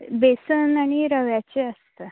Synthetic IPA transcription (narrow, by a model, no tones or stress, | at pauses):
besənaɽ̃iɾəʋjat͡ɕeəst̪ə